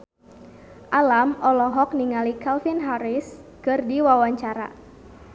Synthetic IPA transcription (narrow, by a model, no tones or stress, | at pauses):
ʔalamʔɔlɔɦɔk̚niŋalikalfinɦaɾɪs | kɨrdiwawaɲt͡ʃaɾa̰